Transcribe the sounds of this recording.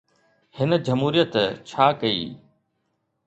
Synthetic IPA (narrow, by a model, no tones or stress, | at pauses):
hɪn̆d͡ʑɐmɦuːɾijət̪t͡ɕʰaːkɐḭː